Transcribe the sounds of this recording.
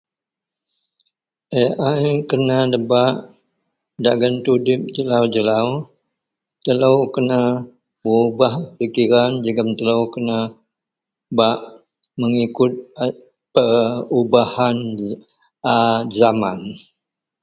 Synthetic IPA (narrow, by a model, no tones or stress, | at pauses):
ʔeʔajkənadəbaʔ | daɡənt̪udɪp̚d͡ʒəlawd͡ʒəlaw | t̪ələwkəna | pəubahpikiɾand͡ʒəɡəmt̪ələwkəna | baʔ | məŋikʊt̪̚ | pəubahan | azaman